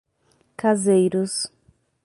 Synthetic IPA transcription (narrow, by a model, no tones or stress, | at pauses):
kazejɾʊs